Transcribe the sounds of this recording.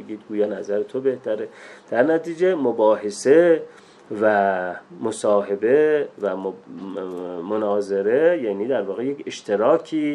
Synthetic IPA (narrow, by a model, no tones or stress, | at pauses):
eɡiːd̪̚ɡuːjɑːnæzæɾet̪ʰobe̞ht̪ʰæɾed̪̥æɾnæt̪iːd͡ʒemobɒːɦese̞ | væmosɒːɦe̞be̞væ | monɒːze̞ɾe̞jæːniːd̪æɾvɒːɣejekʰe̞ʃt̪ʰe̞ɾɒːkʰiː